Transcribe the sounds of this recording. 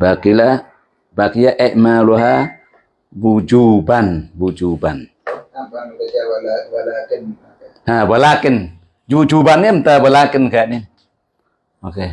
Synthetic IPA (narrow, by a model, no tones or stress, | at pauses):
bakila | bakijaʔɛʔmaluɦa | bud͡ʒubanbud͡ʒuban | habalakɪn | d͡ʒud͡ʒubanamt̪abalakɪnkanin | oke